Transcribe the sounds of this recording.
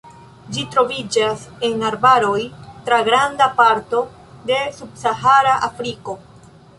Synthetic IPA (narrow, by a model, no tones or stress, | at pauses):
d͡ʒitɾo̞vid͡ʒase̞naɾbaɾo̞jtɾaɡɾandapaɾto̞ | de̞sub̚saɦaɾaʔafɾiko̞